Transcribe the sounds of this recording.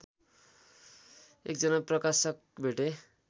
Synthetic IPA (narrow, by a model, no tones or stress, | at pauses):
ḛk̚d͡zʌnaprʌkasʌk̚beʈe